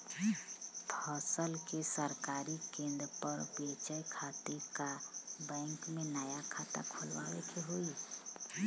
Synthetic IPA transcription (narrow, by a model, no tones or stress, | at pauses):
pʰəsəlkesəɾkaɾikẽnd̪ɾpəɾbet͡ʃəjkʰat̪iɾkabɛ̃ɪŋkmenaːjakʰat̪a̰kʰolwa̰wekʰeɦoi